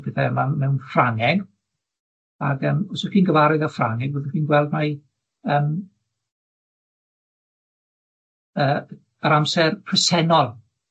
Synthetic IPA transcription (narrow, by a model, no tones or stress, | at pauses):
b̥ɛθaɛmamɛwnfraŋɛɡ | aɡəːmɔsəkinɡəvaɾʊðafraŋɛɡ̚boːðəkiːnɡwɛlˠdma | əːm | əː | əɾamsɛrpʰrəsɛnɔlˠ